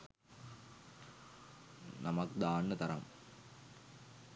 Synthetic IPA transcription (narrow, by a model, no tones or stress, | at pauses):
nɐmɐkd̪aːnːət̪ɐɾɐ̰m